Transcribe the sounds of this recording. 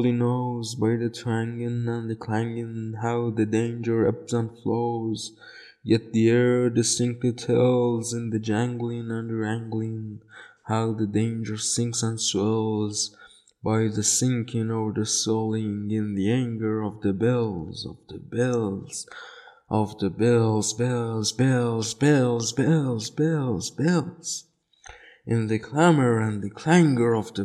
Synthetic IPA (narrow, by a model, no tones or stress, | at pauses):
lˠinoʊzbaɪðɨtʰɹ̥æ̃ŋɪ̃nə̃nðɨkʰl̥æ̃ŋɪ̃nɦaʊðɨdẽɪ̃nd͡ʒə˞ɛ̰psə̃nfloʊz | jɛt̪̚ðiɛɹdɨstɪ̃ŋk̚tɨtʰɛlˠzɨ̃nðɨd͡ʒæ̃ŋɡlɪ̃ŋə̃nɹæ̃ŋɡlɪ̃ŋhaʊðɨdẽɪ̃nd͡ʒə˞sɪ̃ŋksə̃nswɛlˠz | baɪðɨsɪ̃ŋkʰɪ̃ŋɔvə˞ðɨsɔlˠɪ̃ŋɪ̃nðiæ̃ŋɡə˞ʌvðɨbɛlˠzʌ̰vðɨbɛlˠz̥ | ʔʌvðɨbɛlˠzbɛlˠzbɛlˠzbɛlˠzbɛlˠzbɛlˠzbɛlˠs | ʔɨ̃nðɨkʰl̥æmə˞ɨ̃nðɨkʰl̥æ̃ŋɡə˞ʌvðɨ